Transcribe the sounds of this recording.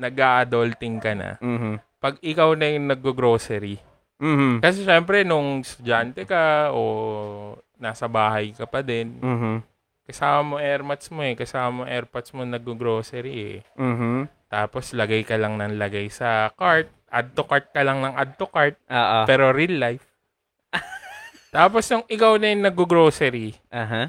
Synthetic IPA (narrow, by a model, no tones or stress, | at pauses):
nɐɡaʔɐd̪olt̪ɪŋkɐnɐ̰m̩ːɦ̩ | pɐɡ̚ɪkawnɐjʊŋnɐɡ̚ːoɡɾo̞ːsɛɾi | m̩ːm̩kɐsɛʃɛmpɾɛnʊŋst̪ʊd͡ʒant̪ɛkɐʔo | naːsɐbaːɦɐjkɐpɐd̪ɛn̩ː | kɐsaːmɐmoʔɛɾpɐt̪smo̞ɛkɐsaːmɐmoŋʔɛɾpɐt̪smonɐɡ̚ːoɡɾoːsɛɾiɛ̰m̩ːɦt̪aːpo̞slɐɡajkɐlɐŋnɐŋlɐɡajsɐkaɹt̪̚ʔa̰d̪̚t̪okaɹt̪̚kɐlɐŋnɐŋʔad̪̚t̪okaɹt̪̚ʔoːʔopɛːɾo̞ɾilːajf | t̪aːpo̞snʊŋʔɪkawnɐjnːɐɡ̚oɡɾoːsɛɾiʔaːɦa